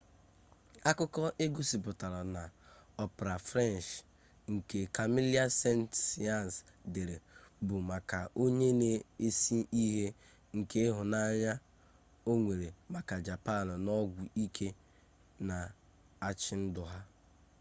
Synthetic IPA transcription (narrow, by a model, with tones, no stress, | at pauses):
a˦kʊ˦kɔ˦ʔe˦ɡu˦si˨bʊ˨ta˨ɾa˨na˨ɔ˦pɾa˨fɾɛ˦nt͡ʃ | ŋ̩˨ke˨ka˨mi˦li˦a˦se˦ntsi˨a˦˨n˨sde˨ɾe˨bʊ˨ma˨ka˨ʔo˦ɲe˦ne˨e˦si˦i˦ɦe˦ | ŋ̩˨ke˦ɦʊ˨na˦ɲa˦ | o˦ŋʷe˨ɾe˨ma˨ka˨d͡ʒa˨pa˦˨n˨nɔ˦ɡʷu˨i˦kʰe˦ | na˨ | a˦t͡ʃɪ˦n̩˦dʊ˨ɦa˦